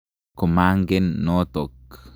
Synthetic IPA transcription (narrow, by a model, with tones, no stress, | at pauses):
ko˨ma˦ŋɡe˦nːo˦t̪o˨k